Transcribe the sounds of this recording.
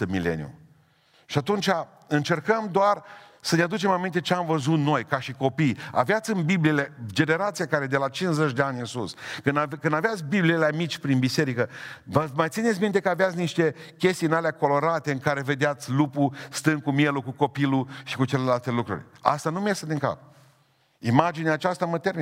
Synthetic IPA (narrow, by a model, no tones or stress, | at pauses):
əmile̞̰nḭṵ | ʃiat̪unt͡ʃʲa | ɨnt͡ʃe̞rkəmd̪oarsənead̪ut͡ʃe̞mamint̪̬e̞t͡ʃeamvəzut̪no̞jkaʃiko̞pija̰veat̪sʲɨnbibliele̞d͡ʒe̞ne̞ɾat̪sijakaɾe̞d̪e̞lat͡ʃinszet͡ʃʲd̪eanʲɨnsuskɨnkɨnd̪aveat̪sʲbiblileamit͡ʃʲpɾinbise̞ɾikəvəmajt̪sinetsʲmint̪ekəaveat̪sʲniʃt̪e̞kʲe̞st̪inaleako̞lo̞ɾat̪e̞ɨŋkaɾe̞ve̞d̪eat̪sʲlupust̪ɨn̚kumje̞lukuko̞piluʃikut͡ʃe̞le̞lalt̪e̞lukɾṵɾʲa̰st̪anumjast̪ad̪iŋka̰p̚ | imad͡ʒineaːt͡ʃast̪amət̪e̞ɾmi